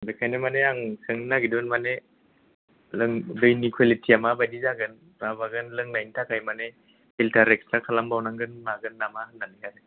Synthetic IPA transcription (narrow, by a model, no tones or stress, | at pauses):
bekʰajnɯmaneaŋkʰɯŋnaɡidunmane | lɯŋdɔjnikʰwalitʰiamabajdizaɡɯn | ɾabaɡɯnlɯŋnajntʰakʰajmane | iltʰaɾek̚stakʰalambawnaŋɡɯnmaɡɯnːamaɦɯnːanikʰaɾɯ